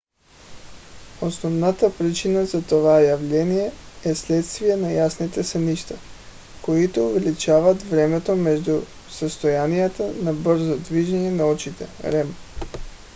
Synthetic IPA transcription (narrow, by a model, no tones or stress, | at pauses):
osnɔvnat̪apɾit͡ʃinazat̪ovajavlɛnijɛɛslɛt̪st̪vijɛnajasnit̪ɛsɛniʃt̪a | koit̪ouvɛlit͡ʃavat̪vɾɛmɛt̪omɛʒd̪u | səst̪ojanijat̪anabəɾzod̪viʒɛɲɛnaɔt͡ʃit̪ɛ̰ɾɛm